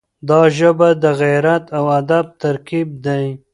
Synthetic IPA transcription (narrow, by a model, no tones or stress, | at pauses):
d̪ɑʒəbad̪əɣajɾat̪awad̪ab̚t̪aɾkib̚d̪aj